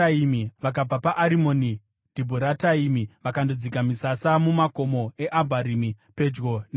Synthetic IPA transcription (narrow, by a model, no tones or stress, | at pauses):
aimiʋak̬ab͡vapaʔaɾimo̞ni | d̥ʱibʱuɾataimiʋakandod͡zikamisasamumako̞mo̞e̞ʔabʱaɾimi | pe̞d͡ʒɡon